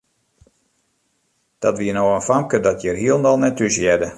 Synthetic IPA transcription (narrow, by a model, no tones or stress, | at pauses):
d̥ɔtʋiənoːənfamkədɔtjərɦiəlˠndɔlˠnɛtysjɛdə